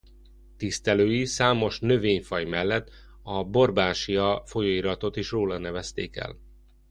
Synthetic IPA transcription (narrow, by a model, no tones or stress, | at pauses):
t̪ist̪ɛløːjisaːmo̞ʃnø̞veːɲfɒjmɛlːɛt̪ː | ɒbo̞rbaːʃiɒfo̞joːiɾɒt̪o̞t̪iʃroːlɒnɛvɛst̪ḛːkɛ̰l